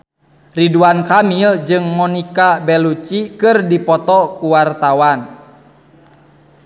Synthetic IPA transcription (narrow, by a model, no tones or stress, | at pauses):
riduankamild͡ʒɨŋmɔnikabɛlut͡ʃikɨrdipɔt̪ɔkuwart̪awan